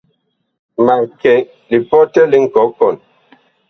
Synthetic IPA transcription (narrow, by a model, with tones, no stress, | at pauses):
ma˨kɛ˨ | li˨pɔ˦tɛ˦li˦ŋ̩˨kɔ˨˦kɔ˨n